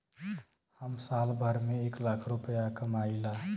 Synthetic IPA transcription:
həmsalbʱəɾmeeklakʰɾupəjakəmaila

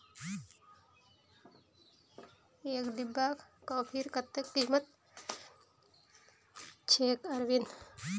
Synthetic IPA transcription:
eːkd̪ibːaːkkoːpʰiːɾkɐt̪ːekːiːmət̪̚ | t͡ʃʰeːkɐɾʋin

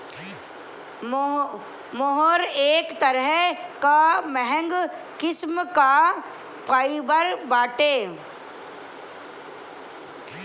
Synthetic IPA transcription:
moɦoɾeːkt̪əɾəɦkamɛɦɛ̃ŋɡ | kɪsmka | paːibəɾbaːʈeː

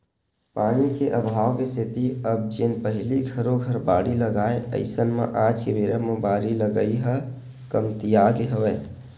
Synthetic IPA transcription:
paːnikeʔəbʱaːwmeset̪iəb̚d͡ʒɪnpəɦliɡʱəɾoɡʱəɾbaːɽiləɡaːeə̰ɪsənmḛ̃ʔãːd͡ʒkebeːɾəməbaːɾiləɡəiɦə | kəmt̪ijaːɡeɦəʋɛː

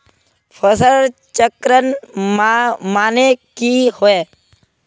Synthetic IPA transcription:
pʰəsəl | t͡ʃəkɾən | maːnekihoe

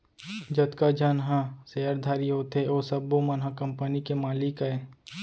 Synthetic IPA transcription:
d͡ʒɐd̪kad͡ʒanɦãseːəɾd̪ʱaːɾiɦoːt̪ʰeoːsɐbːomɐnɦãkɐmpənikemaːlikɐe

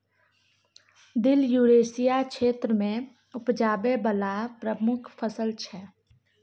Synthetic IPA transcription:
d̪ɪljuːɾeːsijakʃeːt̪ɾəmẽ | ʊpd͡ʒaːbebəlapɾəmʊkʰpʰəsəlt͡ʃʰɛː

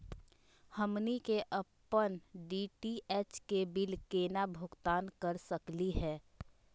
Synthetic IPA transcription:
həmnikeʔəpːənɖiʈiʔɛːt͡ʃkebilkeːnabʱʊɡt̪aːnkəɾsəkliɦɛː

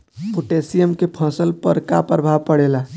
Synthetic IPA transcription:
puʈesijəmkepʰə̃səlpəɾka̰pəɾəbʱaʋpəɽela

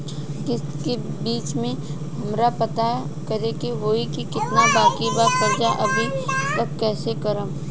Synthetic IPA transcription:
kɪske | biːt͡ʃmẽ | ɦɐmɾapɐt̪a | kɐɾekeʋoːɦikikɪt̪nabaːkibaːsɐɾd͡ʒaʔɐbʱit̪ɐb̚kɛːsekɐɾə̃m

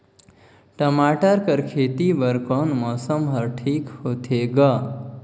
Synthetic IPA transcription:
ʈəmaʈəɾkəɾkʰet̪ibəɾkɔnmɔsəmɦəɾʈʰiːkhot̪ʰeɡə

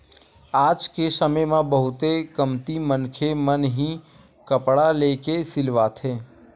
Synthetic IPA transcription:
aːd͡ʒkesəməjmãbəɦʊt̪ekəmt̪imənkʰemənɦĩ | kəpɽaleːkesɪlʋat̪ʰeː

